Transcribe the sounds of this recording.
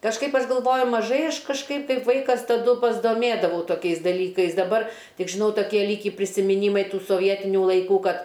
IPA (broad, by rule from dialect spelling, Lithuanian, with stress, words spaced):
kɐʃˈkɐɪp ˈɐʃ ɡɐlˠˈʋoːjʊ mɐˈʒɐɪ ˈɐʃ kɐʃˈkɐɪp kɐɪp ˈʋɐɪkɐs tɐˈdʊ pɐzdoːˈmʲeːdɐʋɐʊ toːˈkʲɛɪs dɐˈlʲiːkɐɪs dɐˈbɐr ˈtʲɪk ʒʲɪˈnɐʊ toːˈkʲiɛ ˈlʲiːkʲiː pʲrʲɪsʲɪmʲɪˈnʲiːmɐɪ ˈtuː soːˈʋʲiɛtʲɪnʲʊ lˠɐɪˈkuː ˈkɐt